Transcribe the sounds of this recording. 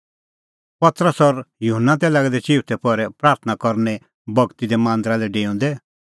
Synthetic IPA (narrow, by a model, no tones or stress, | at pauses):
pɐt̪ɾəsɔɾjuɦənːat̪̬ɛlaːɡɛd̪ɛt͡ʃiːut̪ʰɛpɔɾɛpɾaːɾt̪ʰənakɔɾnɛ | bɐɡt̪id̪ɛmãːnd̪ɾalɛɖeːɔ̃ːnd̪ɛ